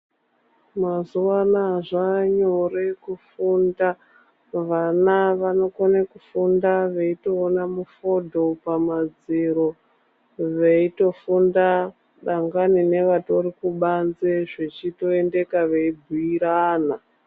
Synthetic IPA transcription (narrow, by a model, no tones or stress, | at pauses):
mazuwanaʐaɲore̞kufunda | ʋanaʋano̞konekufundaʋe̞ito̞ːnamufo̞dʱo̞pamad͡ziɾo | ʋeito̞funda | ɗaŋɡanine̞ʋato̞rikuɓanzeʐet͡ʃito̞e̞nde̞kaʋeibʱuiɾaːna